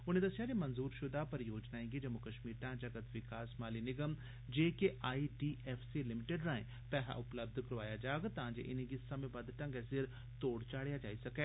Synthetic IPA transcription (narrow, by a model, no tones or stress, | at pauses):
ʊnẽːd̪əsɪjaːd͡ʒemənzuːɾʃʊd̪aːpəɾjoːd͡ʒnaːẽːɡiːd͡ʒəmʊkəʃmiːɾʈãːd͡ʒəɡət̪ʋɪkaːsmaːliːnɪɡəm | d͡ʒeːkeʔaːiːʈiːʔɛːpʰsiːlɪmɪʈeɖɾãːḛ̃ː | pɛːɦa̰ːʔʊpləb̚d̪kəɾʋaːjaːd͡ʒaːɡt̪ãːd͡ʒḛʔɪnẽːɡisəmẽːbəd̪ʈə̃ŋɡɛsɪɾ | t̪oːɽt͡ʃaːɽejaːd͡ʒaːiːsəkɛː